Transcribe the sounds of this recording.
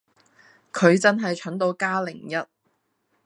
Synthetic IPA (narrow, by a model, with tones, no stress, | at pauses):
kʰɵ˨˧ɥt͡sɐ˥nɦɐ˨jt͡ʃʰɵ˨˥nt̪o˨˧wkaː˥lɪ˨˩ŋjɐ˥t̚